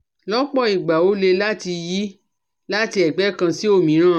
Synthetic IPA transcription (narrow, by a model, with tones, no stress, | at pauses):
lɔ˦k͡pɔ˦˨i˨ɡ͡ba˨o˨˦le˧la˦ti˧ji˦ | la˦ti˧ɛ˨ɡ͡bɛ˨˦kã˧si˦o˦˨mĩ˨˦ɾ̃ã˦˨